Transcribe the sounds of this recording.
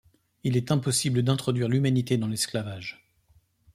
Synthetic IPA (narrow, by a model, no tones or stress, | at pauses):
ilɛt̪ɛ̃pɔsibləd̪ɛ̃t̪χɔd̪ɥiʁlymanit̪ed̪ɑ̃lɛsklavaʒ